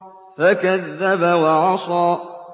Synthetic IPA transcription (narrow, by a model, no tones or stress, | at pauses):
fakaðːabawɑʕɑsˤɑː